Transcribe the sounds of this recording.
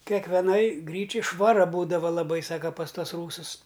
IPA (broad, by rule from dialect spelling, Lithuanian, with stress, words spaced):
kʲɛkʋʲɛˈnɐj ˈɡrʲiːt͡ʃʲɛj ʃʋɐˈrɐ ˈbuːdɐʋɐ lˠɐˈbɐɪ ˈsɑːkɐ pɐs ˈtuɔs ˈruːsʊs